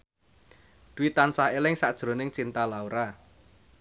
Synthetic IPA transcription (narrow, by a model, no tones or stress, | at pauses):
d̪̥uwit̪ansaɦelɪŋsaʔd̥ʒ̥ɾo̤nɪŋt͡ʃint̪alauɾa